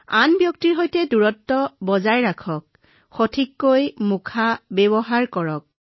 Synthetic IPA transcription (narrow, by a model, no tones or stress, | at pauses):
anbjɔk̚tiɹɦojtɛduɹɔtːɔbɔzajɹakʰɔk̚ | xotʰikːojmukʰabɛbɔɦaɹkɔɹɔk̚